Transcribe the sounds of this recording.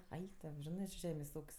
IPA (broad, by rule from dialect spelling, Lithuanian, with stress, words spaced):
ˈɐɪk toː ˈʒʲɪnɜ t͡ʃʲɪ ˈʒʲæːmʲeːsʲ ˈuːkʲsʲ